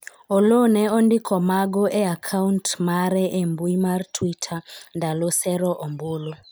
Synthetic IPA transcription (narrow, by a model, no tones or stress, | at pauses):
olonɛɔndikʰɔmaɡɔʔɛakʰauntmaɾɛʔembuimartʰwitʰandalosɛɾɔʔɔmbolo